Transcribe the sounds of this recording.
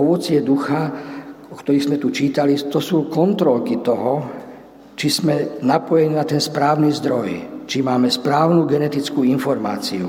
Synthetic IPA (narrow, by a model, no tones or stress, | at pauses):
ɔʋɔt͡sɪɛd̪uxaɔkt̪ɔɾiɣzmɛt̪ut͡ʃiːt̪alit̪ɔsuːkɔnt̪ɾɔlkit̪ɔɦɔ | t͡ʃiz̥mɛnapɔjɛɲinat̪ɛnspɾaːʊnizd̪ɾɔjt͡ʃimaːmɛspɾaːʊnuɡɛnɛt̪it͡skuːinfɔɾma̰ːt͡siṵ